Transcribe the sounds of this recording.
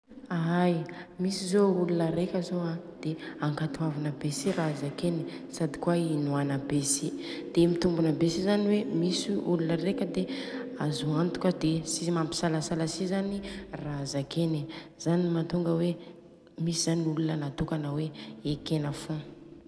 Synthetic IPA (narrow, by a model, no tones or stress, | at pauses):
aajmisizoulunəɾekʲəzoãd̪̥eaŋkat̪uavinəbesirazakeni | sad̪i̥kwainuanabesid̪̥emit̪umbunəbesizaniwemisuulunəɾekʲəd̪eazuant̪u̥kʲəd̪esizmampi̥salasalasizanirazakeniz̥animat̪uŋɡəwe | misiz̥aniulunənat̪ukanəweekenəfu